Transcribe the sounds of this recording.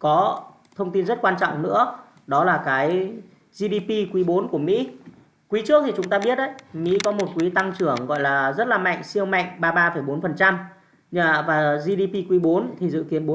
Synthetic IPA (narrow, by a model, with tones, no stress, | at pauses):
kɔ˨˦ | t̪ʰə˧wŋ͡mt̪i˧nzə˦˥t̚kwaː˧nt͡ɕɔ̰˧˨wŋ͡mnɨ̰˧˥ə | ɗɔ˨˦laː˨˩kaː˨˦j | zi˧ɗi˧pi˧kwi˨˦ɓo˨˦nku˧˩əmḭ˧˥ | kwi˨˦t͡ɕɨ˦˥ət̪ʰi˨˩t͡ɕʊ˨˦ŋ͡mt̪aː˧ɓi˦˥ət̚ʔə˨˦jmḭ˧˥kɔ˨˦mo˨˩t̚kwi˨˦t̪a˧ŋt͡ɕɨ˧˩əŋɣɔ̰˧˨jlaː˨˩zə˦˥t̚laː˨˩ma̰˧˨jŋ̟si˧əwma̰˧˨jŋ̟ɓaː˧ɓaː˧fə˧˩jɓo˨˦nfə˨˩nt͡ɕa˧m | ɲaː˨˩vaː˨˩zi˧ɗi˧pi˧kwi˨˦ɓo˨˦nt̪ʰi˨˩zɨ̰˧˨ki˨˦ənɓo˨˦